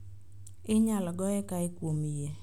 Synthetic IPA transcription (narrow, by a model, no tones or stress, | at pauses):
ɪɲalɔɡɔɛkaɪkwomije